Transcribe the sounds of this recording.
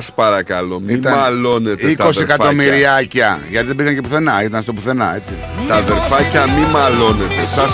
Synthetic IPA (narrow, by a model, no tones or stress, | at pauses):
spɐɾɐkɐlo̞miit̪ɐmɐlo̞neteik̪osiekɐt̪o̞miɾiɐcɐʝɐt̪iðebiɣɐncepuθe̞nɐit̪ɐnɐst̪opuθe̞nɐ̰e̞t͡si | t̪ɐðeɾfɐcɐmimɐlo̞net̪esɐs